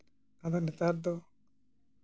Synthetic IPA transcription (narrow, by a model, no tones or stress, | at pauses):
ad̪anɛt̪aɾd̪ɔ